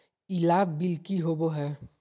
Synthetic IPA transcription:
ilaːbbɪlkiɦoboɦɛː

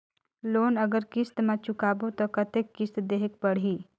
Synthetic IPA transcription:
loːnɐɡəɾkɪst̪mãt͡ʃʊkaːbot̪okɐt̪ekːɪst̪d̪eːɦək̚pɐɽ̤iː

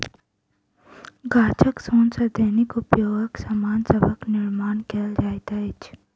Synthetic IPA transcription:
ɡaːt͡ʃʰɐksoːnsɐd̪ʱeɦnikʊpjoːɡəksamaːnsebʱəknɪɾmaːnkeld͡ʒaːjt̪ait͡ʃʰ

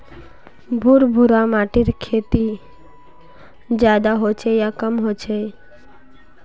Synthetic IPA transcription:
bʱuɾbʱuɾamaʈiɾkʰet̪i | d͡ʑad̪aɦot͡ɕʰejakəmɦot͡ɕʰe

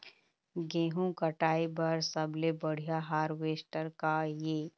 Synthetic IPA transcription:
ɡẽːɦũkəʈaːibɐɾsəbʱlebɐɽ̤ijaɦaːɾʋeːsʈəɾkajeː

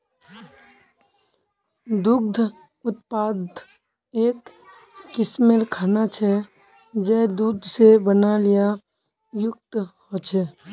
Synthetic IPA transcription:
d̪ʊɡ̚d̪ʱ | ʊt̪̚paːd̪ | eːkː | ɪsmelkʰaːnat͡ʃʰɛ | d͡ʒɛːd̪uːd̪ʱsebənalɪja | jʊk̚t̪hot͡ʃʰɛː

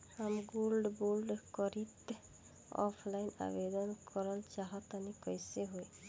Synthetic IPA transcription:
amɡulɖbulɖkɔɾit̪ | ɔ̰pʰlajna̰bed̪ɔnkʰɔɾɔlt͡ʃaɦɔt̪anikɔjseɦoj

